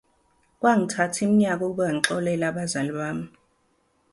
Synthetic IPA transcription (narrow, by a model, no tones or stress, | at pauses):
kʼwaŋitʰatʰim̩ɲak̬ʼukʼuɓaaŋǁɔlɛlaɓazaliɓaːmi